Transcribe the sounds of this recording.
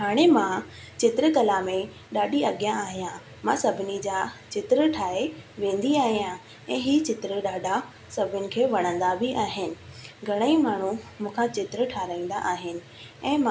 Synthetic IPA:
ɦaːɽ̃emã | t͡ɕɪt̪ɪɾəkɐlamẽ | ɗaːɗiɐɠijãaːɦijã | mãsɐbʱɪnid͡ʑat͡ɕɪt̪ɪɾəʈʰaːeʋẽːn̆d̪iaːɦijã | ɛ̃ːɦiːt͡ɕɪt̪ɪɾəɗaːɖʱa | sɐbʱʊnɪ̆kʰeːʋɐɽ̃ə̃nd̪abʱiʔaːɦɪnɪ̆ɡʱɐɽ̃əimaːɳ̤umũːkʰãt͡ɕɪt̪ɾəʈʰaːɾaːĩːn̆d̪a̰ʔaːɦɪnɪ̆ | ɛ̃ːmã

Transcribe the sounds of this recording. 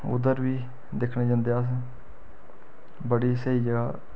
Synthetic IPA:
ʊ̰d̪əɾʋiː | d̪ɪkʰneːd͡ʒãːnd̪eːaːs̬ | bəɽiːseiːd͡ʒəɡaː

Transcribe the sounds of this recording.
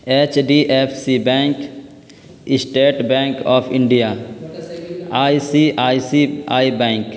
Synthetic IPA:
eːt͡ʃɖiːʔepʰsibɛ̃ːŋk | ɪsʈeːʈbɛ̃ːŋkɔːpʰɪ̃ɳɖija | aːisiʔaːisiaːibɛ̃ːŋk

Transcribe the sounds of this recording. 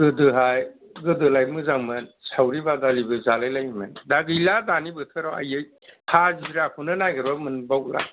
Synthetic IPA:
ɡɯdɯɦajɡɯdɯlajmɯzaŋmɯnsawɾibadalibɯzalajlajmɯndaɡɯjladanibɯtʰɯɾɔa̰jɯj | hʰazidɾakʰunɯnajɡɯɾbamɯnbawla̰

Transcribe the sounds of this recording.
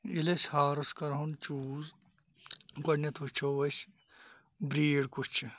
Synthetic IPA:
ilesʲhaːɾɐskɐɾɦunt͡ʃuːz | ɡɐnɐt̪ʰut͡ʃʰoʋɐs | bɾiːɽkut͡ʃʰ

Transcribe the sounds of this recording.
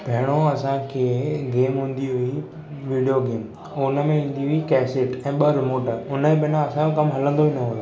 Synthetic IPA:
bʱeɦɪɽ̃oɐsãkʰeːɡeːmɦũːn̆d̪iɦʊi | ʋiːɖijoɡeːm | ʊnə̆mẽĩːn̆d̪iɦʊikɛːsɪʈɛ̃ːɓɐɾɪmoːʈʊnə̃bɪnãɐsãokɐmɦɐlə̃nd̪oʋinɐɦũːo

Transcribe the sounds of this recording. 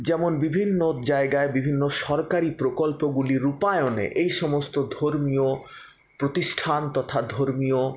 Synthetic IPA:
d͡ʑɛmonbibʱinːod͡ʑaeɡaebibʱinːoʃɔɾkaɾipɾokolpoɡuliɾupaeonḛʔejʃɔmost̪od̪ʱoɾmio | pɾot̪iʃʈʰant̪ɔt̪ʰad̪ʱoɾmio

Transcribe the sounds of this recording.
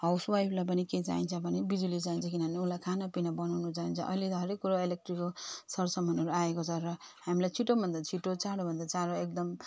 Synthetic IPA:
ɦʌwswajpʰlap̬ʌniket͡sa̰ɦint͡sʰʌbʱʌnebid͡zulid͡zaint͡sʰʌkinʌneulakʰanapinʌbʌnawnut͡saɦint͡sʰʌ̰ʔʌ̰iled̪ʱʌɾekuɾaelek̚ʈrikosʌrsʌmːʌnɦʌɾuaekot͡sʰʌɾʌhamilajt͡sʰiʈobʱʌnd̪at͡sʰiʈot͡saɽobʱʌnd̪at͡saɽoek̚d̪ʌm

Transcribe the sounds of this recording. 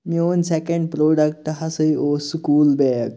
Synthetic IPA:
mioːnsekẽɳɖ̚pɾoːɖək̚ʈɦasəioːskuːlbɛɡ

